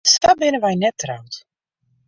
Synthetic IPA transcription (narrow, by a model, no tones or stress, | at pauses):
stabɪnəʋɛjnɛtrawt